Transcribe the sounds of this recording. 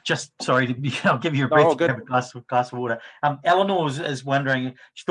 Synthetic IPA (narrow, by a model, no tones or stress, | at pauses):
d̥ʒ̥ʌst̚sɔɹiɾɨaɪlˠɡɪvjəəbɹiɡ̃məɡlasɡ̥lˠasəwɔɾə˞ʌ̃mɛlˠənozɪzwʌ̃ndə˞ɪ̃ŋʃi̥θ